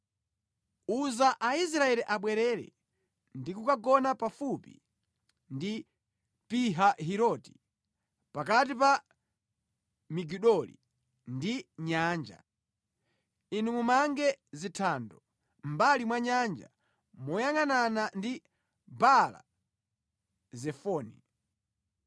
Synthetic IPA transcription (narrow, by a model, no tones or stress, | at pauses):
uzaʔais̬ɾaɛɾiʔaɓwɛɾɛɾɛ̰ | ndikukaɡɔnapafupḭ | ndi | piɦaɦiɾɔːti̥ | pakatipa | miɡiɗɔlḭ | ndiɲaːnd͡ʒa̰ | inumumaŋɡɛzitʰandɔ | mbalimwaɲand͡ʒa̰ | mɔjaŋananandi | bala̰ | zɛfɔːni